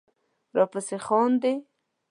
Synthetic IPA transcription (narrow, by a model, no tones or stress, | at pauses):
ɾɑpasexɑnd̪e